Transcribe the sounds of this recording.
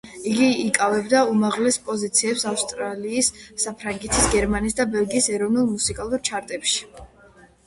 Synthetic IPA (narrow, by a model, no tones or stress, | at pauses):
iɡiːkʼavɛbd̪aumaʁlɛspʼɔzit̪sʰiɛpsafst̪ʼɾaliːsːapʰɾaŋɡɛt̪ʰisɡɛɾmaniːsd̪abɛlˠɡiːsɛɾɔvnulˠmusikʼalˠuɾt͡ʃʰaɾt̪ʼɛpʃi̥